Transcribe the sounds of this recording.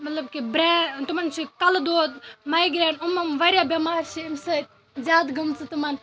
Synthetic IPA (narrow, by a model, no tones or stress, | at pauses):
mɐt̪lɐbkibɾɛːt̪umɐnt͡ʃʰikɐld̪oːd̪̚mɐjɡɾeːɳɖumɐmʋɐɾjaːbʲɐmaːɾʃiimsɐ | zʲaːd̪ɡʱɐmt͡sɨt̪umɐn